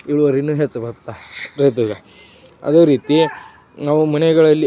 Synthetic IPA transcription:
iɭuʋɐɾinːuːɦet͡sːbɐɾt̪ːaɾɐjt̪̬uɡa | ɐ̰d̪oːɾiːt̪i | naʋumɐneɡɐɭɐlːi

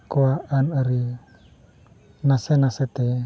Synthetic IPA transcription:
koaanəɾi | nasenaset̪e

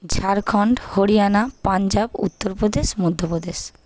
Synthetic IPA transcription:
d͡ʑʱaɾkʰɔɳɖhoɾianapand͡ʑabṵt̪ːoɾpɾod̪eʃmod̪ʱːopɾod̪eʃ

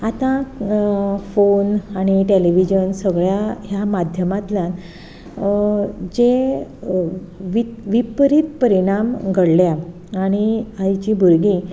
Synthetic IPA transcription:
at̪ã | fonaɽ̃iʈeliʋid͡ʑənsəɡɭjaɦjamad̪ʱjəmat̪ljã | d͡ʑe | ʋiʋipɾit̪̚pəɾiɽ̃amɡʱəɽlja | aɽ̃iait͡ɕibʱuɾɡi

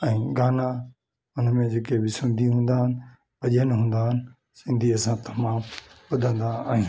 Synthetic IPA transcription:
ɛ̃ːɡaːna | ʊnəmẽd͡ʑeːkebɪsɪ̃nd̪ʱiɦũːn̆d̪aːɦɪnɪ̆ | pɐʄənɪɦũːn̆d̪aːɦɪnɪ̆ | sɪ̃nd̪ʱiɐsãt̪ɐmaːmɓʊd̪ʱə̃nd̪aaːɦĩ

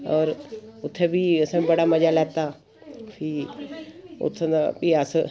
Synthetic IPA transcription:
ɔːɾʊt̪ʰːebʱiʊsãbibəɽamɐd͡ʒalɛːt̪a | pʰi | ʊ̰t̪ʰnbʱias

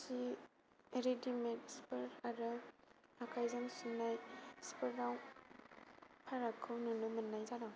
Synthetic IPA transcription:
si | eɾedimet̚spɯɾaɾɯakʰajzansunajspɯɾːaw | pʰaɾakʰːɯwnunumɐnːajzada

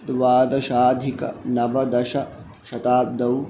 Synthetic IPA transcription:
t̪ʋaːd̪ɐʃaːd̪ʱikɐ̰nɐʋɐd̪ɐʃɐ | ʃɐt̪aːb̚d̪ɐw

